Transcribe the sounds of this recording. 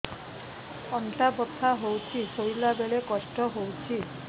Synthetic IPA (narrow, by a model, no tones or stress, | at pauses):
ɔɳʈabɔt̪ʰaɦowt͡ʃʰisojlabeɭekɔsʈɔɦowt͡ʃʰi